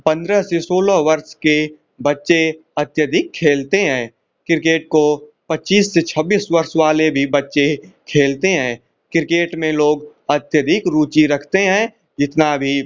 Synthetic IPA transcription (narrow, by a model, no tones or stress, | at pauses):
pə̃nd̪ɾəɦsesoːləɦʋɐɾʃke | bɐtːʃe | ɐt̪jəd̪ʱɪkʰːeːlt̪eɦɛ̃ː | kɪɾkeːʈ̚ko | pɐtːt͡ʃːiːsːet͡ʃʰəbːiːsʋɐɾʃwaːlebʱibɐtːʃekʰeːlt̪eɦɛ̃ː | kɪɾɪkeːʈmẽloːɡ | ət̪jəd̪ʱɪkɾuːt͡ʃiɾɐkʰt̪eɦɛ̃ː | d͡ʒɪt̪nabʱi